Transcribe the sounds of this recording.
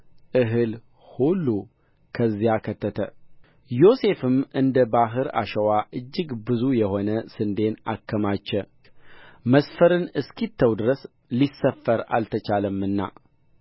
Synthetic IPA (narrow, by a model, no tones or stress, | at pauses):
ʔɨɦɨl | hulːu | kʰəzːijakʰət̪ʰːət̪ʰə | jo̞se̞fɨmɨnd̪əbaɦɨɾa̰ʃəwaʔɨd͡ʒːɨɡbɨzujɛho̞nəsɨnd̪e̞na̰kːəmat͡ʃːɛ | məsfəɾɨnɨskit̪ʰːəwd̪ɨɾəs | lisːəfːəɾa̰lt̪ʰət͡ʃaləmːɨnːa̰